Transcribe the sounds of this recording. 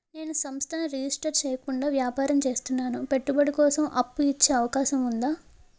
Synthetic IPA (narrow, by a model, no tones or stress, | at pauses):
ne̞ːnusɐmst̪ʰɐnɐɾid͡ʒisʈɐɾt͡ʃeːjɐkuɳɖaːʋjaːpaːɾɐmt͡ʃeːst̪unːaːnupe̞ʈːubɐɽikɔːsɐmʔɐpːuit͡ʃːeːɐʋɐkaːʃɐmund̪aː